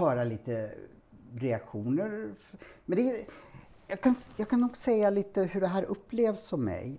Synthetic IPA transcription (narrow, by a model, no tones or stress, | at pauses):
œːɾaliːt̪ə | ɾɛakɧuːnəɾmɛnd̪ɛ | jɑːɡkʰanjɑːɡkʰanːuːɡsɛjːaliːt̪əhɵɖɛɦæːɾʔɵpːleːvsɔmːɛ̰j